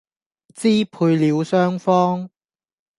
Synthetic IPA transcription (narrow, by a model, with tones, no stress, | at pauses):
t͡siː˥pʰuː˧jliː˨˧wsœː˥ŋfɔː˥ŋ